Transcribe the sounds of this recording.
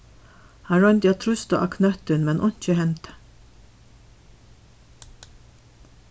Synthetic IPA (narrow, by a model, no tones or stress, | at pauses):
hɑɹɔnt̪jɑt̪ʰɾʉst̪ə̰ʔɑ̰kʰnœt̪ʉnmɛnʔɔnc͡çəhɛnt̪